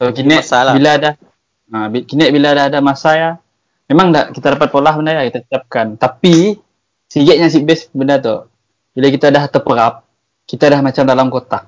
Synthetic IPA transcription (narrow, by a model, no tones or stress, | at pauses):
t̪okinɛabilada | abikinɛʔbiladaɦːdamasaja | memaŋda̰ʔkit̪adapat̪̚polaɦbənajakit̪asiap̚kant̪api | siɡɛʔɲas̬ibɛsbənart̪o̰ | bilakit̪adaht̪əpəɾap̚ | kit̪adahmat͡ʃamdalamkot̪a